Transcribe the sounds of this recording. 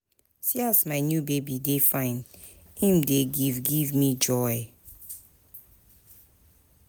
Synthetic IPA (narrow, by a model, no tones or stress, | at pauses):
siasmaɪnjubebidefãɪ̃n | ẽmdeɡivɡivmid͡ʒɔɪ